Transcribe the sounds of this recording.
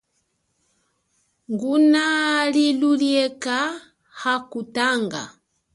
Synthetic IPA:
ŋɡunaliluljɛka | hakutaŋɡa̰

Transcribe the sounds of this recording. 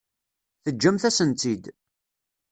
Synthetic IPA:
θəd͡ʒːæmθæsənt̪id̪

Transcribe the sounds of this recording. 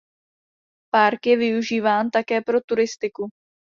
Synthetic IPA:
paɾkjɛvɪuʒiːvaːnt̪akɛːpɾo̞t̪uɾɪst̪ɪku

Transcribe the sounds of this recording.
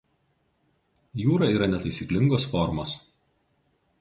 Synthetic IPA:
juːɾɐˑiːɾɐnʲɛt̪ɐɪsʲiːklʲɪŋɡoːsfɔɾmoːs

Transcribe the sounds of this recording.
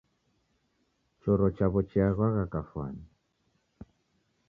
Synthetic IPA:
t͡ʃɔɾɔt͡ʃaβɔt͡ʃiaɣwaɣakafwa̰n

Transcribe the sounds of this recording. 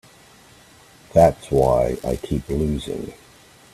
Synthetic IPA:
ðætswaɪa̰ɪkʰiplʉzɪ̰̃ŋ

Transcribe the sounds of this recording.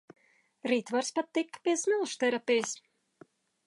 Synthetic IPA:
ɾiːt̪vaɾspat̪ːikːpiɛsmilˠʃt̪ɛɾapʲijs

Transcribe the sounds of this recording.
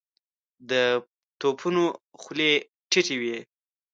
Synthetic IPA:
d̪ə | t̪opʰunoxle | ʈɪʈiwi

